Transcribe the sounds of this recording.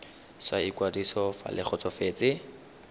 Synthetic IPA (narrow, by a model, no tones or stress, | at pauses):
swaikwadisɔfa̰lɪχʰɔt͡sɔfeːt͡sɪ